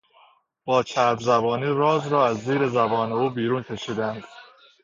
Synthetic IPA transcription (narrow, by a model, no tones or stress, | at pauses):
b̥ɒːt͡ʃʰæɾbzæbɒːniːɾɒːzɾɒːæzːiːɾe̞zæbɒːne̞uːbiːɾuːncʲʰeʃiːd̪ænd̪̥